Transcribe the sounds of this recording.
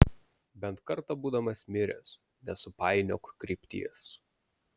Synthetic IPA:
bʲɛnt̪kɐɾt̪ɐbuːd̪ɐmɐsʲmʲɪɾʲɛ̰s | nʲɛsʊpɑˑɪnʲoːkkɾʲiːpʲt̪ʲḭɛs

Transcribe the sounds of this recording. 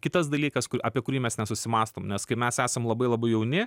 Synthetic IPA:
kʲɪt̪ɐs̬d̪ɐlʲiːkɐskʊʔɑːpʲiɛkʊɾʲiːmʲɛsnʲɛsʊsʲɪmɑːst̪oːmnʲɛskɐɪmʲæsæːsɐmlˠɐbɐɪlˠɐbɐɪjɛʊnʲɪ

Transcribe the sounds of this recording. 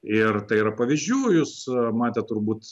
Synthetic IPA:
ɪrt̪ɐɪiɾɐpɐʋʲiːzʲd͡ʒʲuːjuːsmɑːt̪ʲɛt̪̚t̪ʊrbuːt̪

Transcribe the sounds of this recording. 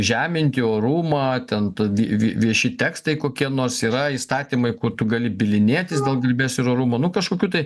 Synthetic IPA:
ʒʲæːmʲɪnʲt̪ʲɪoːɾuːmɑːt̪ʲɛnt̪ɐʋʲiʋʲiʋʲiɛʃʲɪt̪ʲɛːkst̪ɐɪkoːkʲiɛnoːrsiːɾɐiːst̪ɑːt̪ʲiːmɐɪkʊt̪ʊɡɐlʲɪbʲɪlʲɪnʲeːt̪ʲɪsdʲeːlˠɡɐlʲbʲɛsʲɪɾoːɾuːmɐnʊkɐʃkoːkʲuːt̪ɐɪ

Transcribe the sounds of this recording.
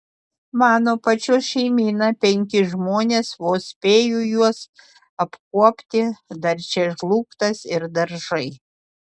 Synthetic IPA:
mɑːnoːpɐt͡ʃʲʊsʃʲɛɪmʲiːnɐpʲɛŋʲkʲɪʒmoːnʲeːsʋoːsʲpʲeːjʊjuɔs | ɐpkuɔpʲt̪ʲɪd̪ɐɾʲt͡ʃʲɛʒlˠuːkt̪ɐsɪɾd̪ɐɾʒɐɪ

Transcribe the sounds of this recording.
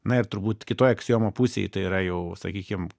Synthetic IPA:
nɐɪrt̪ʊɾbuːt̪kʲɪt̪oːjɐksʲjoːmoːpusʲḛjɪt̪ɐɪiːɾɐjɛʊsɐ̰kʲiːkʲɪm

